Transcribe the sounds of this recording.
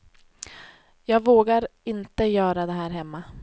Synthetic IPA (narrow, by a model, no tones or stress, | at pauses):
jɑːɡvoːɡaɾɪnt̪əjœːɾad̪ɛɦæːɾɦɛmːa